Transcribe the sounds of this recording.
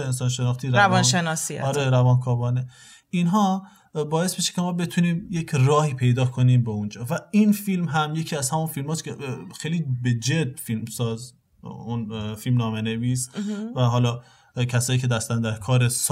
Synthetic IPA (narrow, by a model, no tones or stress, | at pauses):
ensɒnʃenɒχt̪iːɾɾæɒnʃenɒsḭɒɾeɾævɒːnkʰɒːbɒːne | inɦɒː | bɒːje̞sbeʃe̥kʰe̞mɒːbe̞t̪ʰuniːmje̞cʰrɒːhiːpʰe̞jd̪ɒːkʰo̞niːmbeund͡ʒɒːvæinfilmɦæmje̞cʰiːæz̥hæmunfilmɒːskʰʲexejliːbed͡ʒed̪̚filmsɒːz | unfilmnɒːmene̞visvæɦɒːlɒː | kʰæsɒːjiːcʰe̞d̪æst̪ænd̪æɾkʰɒːɾes